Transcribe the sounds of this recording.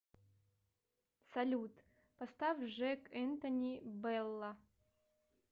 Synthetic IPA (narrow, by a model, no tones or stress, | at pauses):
sɐlʲut̪ | pɐst̪avʐɛkɛnt̪ɐnʲibɛlːa